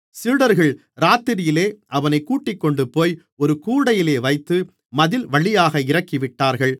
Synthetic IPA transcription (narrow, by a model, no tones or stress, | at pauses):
sɪɾɽɐɾɣɐɭ | ɾaːt̪ːɪɾɪjɪleːʔɐʋɐnɐɪkːuːʈːɪkːɔɳɖɯpːoːj | ɔɾɯkuːɽɐjɪleːʋɐɪt̪ːɯ | mɐðɪlʋɐɭɪjaːɣɐɪɾɐkːɪʋɪʈːaːɾɣɐɭ